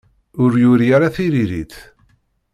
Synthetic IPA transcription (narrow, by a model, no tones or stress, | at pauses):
ʊɾjʊɾjaɾaθiɾiɾiθ